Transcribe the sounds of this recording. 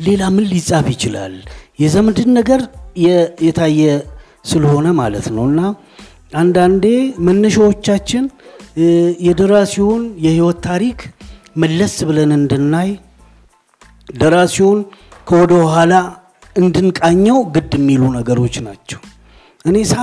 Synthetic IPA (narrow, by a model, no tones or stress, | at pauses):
le̞lamɨnːisʼafjɪt͡ʃɪla̰ljɛzəmɨd̪ɨd̪nəɡəɾjɛjɛt̪ʰajːɛ | sɨləho̞nəmalət̪nəwɨnːa | and̪and̪e̞mənːəʃawo̞t͡ʃːat͡ʃːɪn | jɛd̪əɾasiwunjɛhiwɔt̪ʰːaɾik | məlːəsbɨlənɨnd̪ɨnːaj | d̪əɾasiwunkʰəwɔd̪əwɦala | ɨnd̪ɨnkʼaɲːɛwɡɨd̪ɛmːilunəɡəɾo̞t͡ʃːnat͡ʃːɛw | ʔɨne̞sa